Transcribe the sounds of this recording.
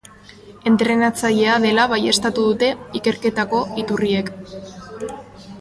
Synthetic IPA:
e̞nt̪ɾe̞nat͡saʎe̞aðe̞laβaje̞st̪at̪uðut̪e̞ike̞ɾke̞t̪ako̞it̪urie̞k

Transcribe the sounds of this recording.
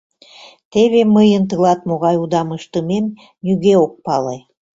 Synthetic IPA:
t̪eβeməjənt̪̬əlɑt̪̚moɣɑjud̪ɑməʃt̪əmem | nyɣeok̚pɑle

